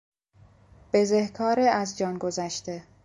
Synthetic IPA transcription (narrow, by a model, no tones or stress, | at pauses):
b̥e̞zehkʰɒːɾeæzd͡ʒɒːnɡo̞zæʃt̪e